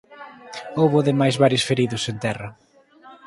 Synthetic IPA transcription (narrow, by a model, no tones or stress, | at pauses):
owβʊðɪmajzβaɾjʊsfeɾiðʊsent̪ɛrɐ